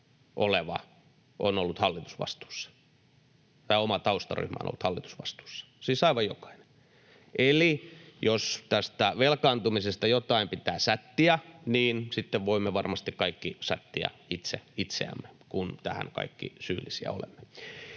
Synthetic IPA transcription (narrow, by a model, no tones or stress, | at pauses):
ʔoleʋɑ̰ | ʔo̰nolːut̪hɑlːit̪u̥sʋɑ̰st̪u̥ːsːɑ̥ | t̪ɑːomɑt̪ɑust̪ɑry̰hmæ̰o̰no̰lːut̪hɑlːit̪u̥sʋɑst̪u̥ːsːɑ̥siːsɑiʋɑjjokɑ̥ine | ʔelijost̪æst̪æʋelkɑːnt̪umisest̪ɑjot̪ɑimpit̪æːssæt̪ːiæniːnsit̪ːeʋʋoimːeʋɑrmɑst̪ikkɑikːisæt̪ːiæ̰it̪seit̪sḛæ̰mːekunt̪æhæ̰nkɑ̰ikːḭsyːlːisiæ̰o̰lḛmːe